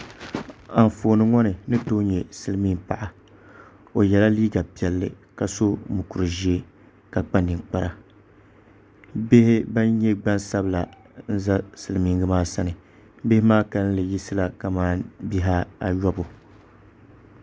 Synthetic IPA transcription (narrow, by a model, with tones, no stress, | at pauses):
a˨ɱ˨foː˨nɨ˨ŋɔ˦nɨ˨nɨ˦to˦ɲɛ˨sɨ˦lɨ˦miː˦ŋpa̰˨ʔa˨ | o˨jɛ˨la˦liː˦ɡa˨pi˨ɛ˨lːɨ˨ | ka˨so˦mu˨ku˨ɾɨ˨ʒi˦e˦ | ka˨k͡pa˦ndɨ˨ŋk͡pa˦ɾa˨ | be˦hɪ˦ba˦nɲɛ˦ɡ͡ba˦nsa˦bɨ˦la˨ | n̩˦za˦sɨ˨lɨ˨miː˦ŋɡɨ˦maː˦sa˦nɨ˨ | be˦hɪ˦maː˦ka˨ln̩˦lɨ˨ji˦sɨ˦la˨ka˨maː˦˨bi˦ɦa˦a˨jɔ˦bʊ˨